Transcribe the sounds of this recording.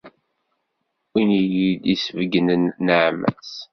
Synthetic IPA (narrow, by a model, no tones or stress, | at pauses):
inijid̪isəvəɡənənəʕmæ̰s